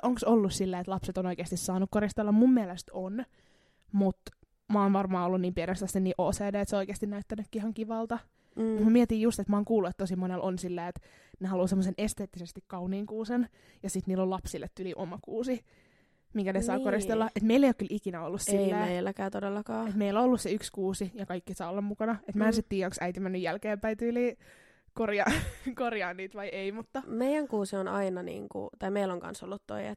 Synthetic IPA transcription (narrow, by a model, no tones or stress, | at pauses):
oŋksolːussilːæːet̪lɑpset̪onoikeːst̪issɑːnukkoɾist̪elːɑmmummiælest̪on | mut̪ | mɑonʋɑrmɑːolːuniːmpienest̪ɑsiniːʔoːseːdeːet̪seoikeːst̪inæyt̪ːænykːihɑŋkiʋɑlt̪ɑ | mut̪mæmiɛt̪iːjjust̪et̪mɑːŋkuːlːuet̪t̪osimonelʔonsilːæːet̪ | nehɑluːsemːosenest̪eːt̪ːisest̪ikkɑuniːŋkuːsen | jɑsit̪niːlːolɑpsilːet̪ːyliʔomɑkuːsi | miŋkænesɑːkoɾist̪elːɑʔet̪meilːeijokylikinæolːussilːæːeilːækæːt̪odelːɑkɑːet̪meilːoolːusseykskuːsijɑkɑikːisɑːolːɑmmukɑnɑet̪mæensit̪t̪iːjæoŋksæit̪imænːyjjælkeːmpæit̪yliː | korjɑkorjɑːnːiːt̪ʋɑieimut̪ːɑmeijæŋkuːsionɑinɑnḭːŋkṵt̪ɑimeiloŋkɑ̰nso̰lːut̪to̰iḛt̪